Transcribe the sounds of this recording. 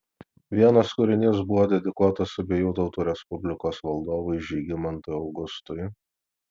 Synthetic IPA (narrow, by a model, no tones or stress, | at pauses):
ʋʲiɛnɐskʊɾʲɪnʲɪsbʊʋoːd̪ʲɛd̪ʲɪkuɔt̪ɐsʊbʲejuːt̪ɐʊt̪uːɾʲɛspʊbʲlʲɪkoːsʋɐlˠd̪oːʋʊɪʒʲiːɡʲɪmɐnt̪ʊjɒʊɡʊst̪ʊɪ